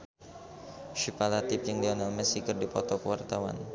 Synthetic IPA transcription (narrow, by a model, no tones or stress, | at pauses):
ʃipalat̪ɪpjaŋdianalmɛsikərdipɔt̪ɔkəwart̪awa̰n